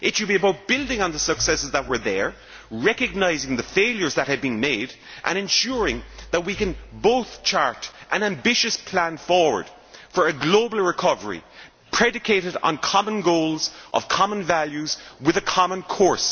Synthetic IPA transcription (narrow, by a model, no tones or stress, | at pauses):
ʔɪtʃɨd̚biɨbaʊt̚b̥ɪlˠdɪ̃ŋə̃nðəsəksɛsɨzðət̚wə˞ðə˞ | ɹɛkɨɡ̚naɪzɪ̃ŋðəfeɪlˠjə˞zðət̚hɨd̚bĩnmeɪɾ | ʔə̰̃ñɨ̃nʃʊɹɪ̃ŋðət̚wikɨ̃nboʊθt͡ʃʰaɹɾʔə̃næ̃mbɪʃɨspʰl̥æ̃nfɔɹwə̰˞d̥ | fə˞ɨɡloʊbl̩ˠɹɪkʰʌvə˞ḭ | pʰɹ̥ɛɾɨkʰeɪɾɨɾn̩kʰɑmə̃nɡoʊlˠzʔʌ̰v̥kʰɑmə̃nvaljʉzwɪðɨkʰɑmə̃nkʰɔɹs